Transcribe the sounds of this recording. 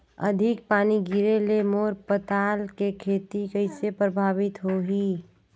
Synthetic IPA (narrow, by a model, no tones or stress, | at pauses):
ə̰d̪ʱɪk̚paːniɡɪɾelemoːɾpət̪aːlkekʰeːt̪ikəɪsepɾəbʱaːʋɪt̪ɦoːɦiː